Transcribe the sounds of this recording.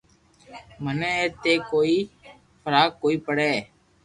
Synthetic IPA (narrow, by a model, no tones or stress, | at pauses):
məneːeːt̪eːkoːiː | fʰəɾaːɡ̚koːiːpəɽeː